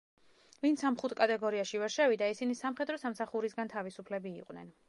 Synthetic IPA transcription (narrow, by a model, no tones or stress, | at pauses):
vint̪samχut̪ʰkʼat̪ʼɛɡɔɾiaʃivɛɾʃɛvid̪aisinisamχɛd̪ɾɔsamsaχuɾisɡant̪ʰavisupʰlɛbḭːqʼwnɛ̰n